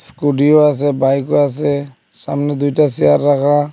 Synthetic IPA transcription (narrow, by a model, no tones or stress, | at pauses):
skuɖijoas̬ɛbajkoas̬ɛ | sa̰mnɛd̪ujtasijaɾːakʰa